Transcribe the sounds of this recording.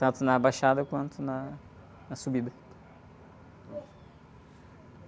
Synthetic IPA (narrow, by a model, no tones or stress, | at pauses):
t̪ɐ̃nt̪ʊnɐbajʃad̪ɐkwɐ̃nt̪ʊnɐ | nɐsubid̪ɐ